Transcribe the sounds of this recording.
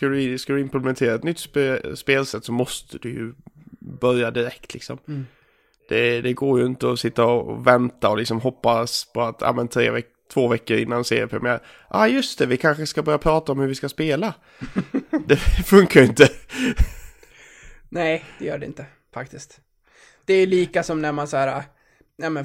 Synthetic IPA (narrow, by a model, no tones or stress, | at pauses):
kald̪skad̪ɵɪmplɛmɛnt̪ʰeːɾaɛt̪nʏt̪ːspːspeːlsɛt̪ːsɔmɔst̪ʰəd̪ɵjɵ̰bœɾjad̪ɪɾɛkt̪ʰlɪ̰ksɔ̰m | d̪̥ɛd̪ɛɡoːɾjɵɪnt̪əɔsɪt̪ːaɔ̰vɛnt̪aɔlɪksɔmɦɔpːaspʰɔat̪ʰa̰ːmɛnt̪ʰɾḛːvɛ | t̪ʰvoːvɛkːəɾɪ̰nːansḛːɾɪəpʰɾɛ̰mɪæːɾ | ʔaːjɵst̪ʰɛvɪkʰanɧəskabœɾjapʰɾɑːt̪aɔmhɵɾvɪskaspeːla | d̪ɛfɵŋkaɾɪnt̪ə | nɛɪd̥̪ɛjœːɖɛɪ̰nt̪ə | fak̚t̪ɪst̪ | d̪̥ɛːliːkasɔmnæɾmansæːɾa | nɛːmɛ